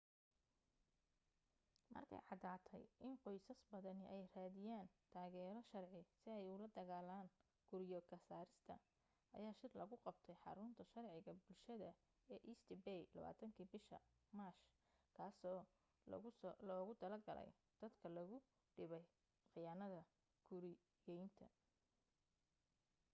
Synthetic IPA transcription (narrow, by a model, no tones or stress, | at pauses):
mɐ̰rkʰɛ̰jʕɑd̪aːt̪ʰɛ̰jʔɪnqɔjsɐsbɐðɐnɪʔɛjraːðɪjaːnt̪ʰaːɣɛːɾɔʃɐrʕɪsɪɛjʊlɐd̪ɐɣaːlaːŋ | ɡ̥ʊɾjɔkʰɐsaːɾɪst̪ʰɐ̰ | ʔɐ̰jaːʃɪrlɐɣʊqɑbt̪ʰɛjħɑ̰ɾʊnt̪ʰɐʃɐrʕɪɣɐbʊlʃɐðɐ | ɛːʔisd̪ɪbɛjlɐ̰βa̰ːt̪ʰɐŋkʰiːbɪʃɐ̰ | maːʃ | kʰaːsɔː | lɔːɣʊt̪ʰɐlɐrɡɐ̰lɛ̰j | d̪̥ɐd̪kʰɐlɐɣʊ | ɖɪβɛj | χɪjaːnɐðɐ | ɡ̥ʊɾɪ | jɛjnt̪ʰɐ